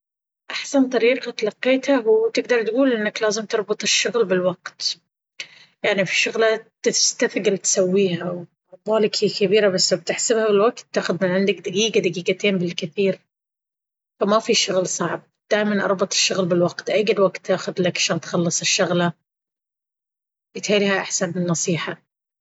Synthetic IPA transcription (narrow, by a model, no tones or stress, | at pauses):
ʔaħsant̪ˤɑɾiːqɑt̪alɑqːeːt̪hawt̪ɪɡd̪ɑɾˤt̪ɡuːlʔɪnːaklaːzɪmt̪ɑɾˤbʊt̪ˤɪʃːʊɣlbɪlwaqt̪ | jaʕnifi̥ʃʊɣlat̪ɪst̪afɡɪlt̪sawːiːhaw | ʊbaːlɪkhijkabiːɾabasːab̚t̪ɪħsɪbhabɪlwaɡt̪ːaːxʊðmɪnʕɪnd̪ak̚d̪aɡiːɡad̪aɡiːɡat̪eːnbɪlkɪθiːɾ | famafiʃʊɣlsˤɑʕb̚d̪̥aːʔmanʔɑ̰ɾˤbɑt̪ˤɪ̥ʃːʊɣlbɪlwaqt̪ʔaːɪlwaɡt̪ːaːxʊd̪lakʕḁʃaːnt̪xɑlːɨsˤɪʃːʊɣla | jɪt̪ħaːlihaʔaħsanbɪnːɑsˤiːħa